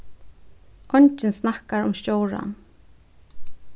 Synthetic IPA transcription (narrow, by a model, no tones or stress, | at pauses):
ʔɔɲt͡ʃɪnsnahkaɹʊmscoːwɾa̰n